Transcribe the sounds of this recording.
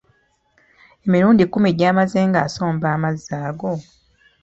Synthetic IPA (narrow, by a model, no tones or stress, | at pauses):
e̞miɾuːndikumeɟaːmazeːŋɡaːso̞ːmbaːmazːaːɡo̞